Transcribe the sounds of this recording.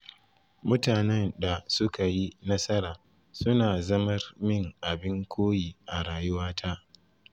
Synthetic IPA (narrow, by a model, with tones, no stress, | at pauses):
mʊ˦taː˨nɛ˦nda˨sʊ˦ka˨ji˦nɐ˦sɐ˦ɾaː˨ | sʊ˦naː˨zɐ˦mɐ˦rmɪ˦˨ŋʔa˨bɪ˦ŋkʷʰoː˦jiː˨ʔa˨ɽaː˨jʊ˦waː˦tʰaː˦ʔ